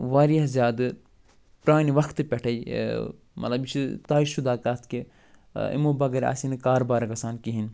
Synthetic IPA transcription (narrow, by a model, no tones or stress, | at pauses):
ʋaːɾijɐɦzjaːd̪ɨ | pɾaːniʋɐkʰt̪ɨpʲɛʈʰɐi | mʔɐt̪lɐbit͡ʃit̪aːiʃud̪aːkat̪ʰke | ḭmoːbɐɡɐɾʲa̰ːsinɨkaːɾbaːɾɐkɐsaːnkiɦin